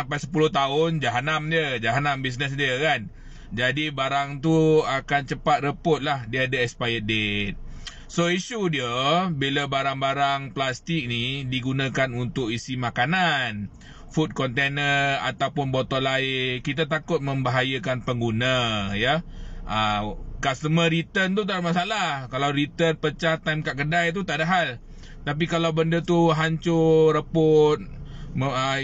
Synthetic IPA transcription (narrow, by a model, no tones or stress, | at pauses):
ampajsə̥pulʊht̪aʊnd͡ʒaɦanamdiəd͡ʒaɦanambis̬nəs̬diəkan | d͡ʒadibaɾaŋt̪uakant͡ʃəpat̪̚rəpʊt̪̚lahdiadəɛkspajədet̪̚ | soisudiəbiləbaɾaŋbaɾaŋplast̪ik̚nidiɡunãkanunt̪ʊk̚isimakanan | fut̪̚kɔnt̪enəra̰t̪awpʊnbot̪ɔlaɪkit̪̬at̪akʊt̪̚mə̃mbaɦajəkanpəŋɡunəjəʔəkast̪əmə̃ɾit̪ənt̪̬ut̪̬adaʔmasalahkalawɾit̪ənpət͡ʃat̪ajmkaʔkədajt̪̬ut̪aʔdaɦal | t̪ap̬ikalawbəndət̪uɦaɲt͡ʃʊɾəpʊt̪̚məə